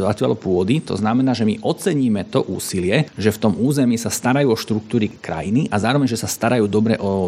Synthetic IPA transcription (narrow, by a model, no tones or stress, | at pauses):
at͡ɕa̰lɔpʊɔd̪it̪ɔ̰znamɛnaːʒɛmiʔɔt͡sɛɲiːmɛt̪ɔʔuːsilɪɛʒɛft̪ɔmuːzɛmiːsast̪aɾajuːɔʃt̪ɾuk̚t̪uːɾikɾa̰jiniʔazaːɾɔʋɛɲʒɛsast̪aɾajuːd̪ɔbɾɛʔɔ